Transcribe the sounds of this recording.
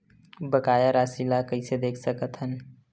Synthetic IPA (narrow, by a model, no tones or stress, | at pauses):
bɐkaːjaɾaːsilakɐised̪eːkʰsɐkət̪ɦən